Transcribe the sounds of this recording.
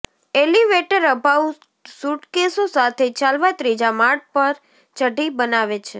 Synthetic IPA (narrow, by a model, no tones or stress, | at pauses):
eliʋeʈəɾəbʱau | suʈkesosat̪ʰet͡ʃalʋat̪ɾid͡ʒamaɽ̚pəɾ | t͡ʃəɖibənaʋet͡ʃʰe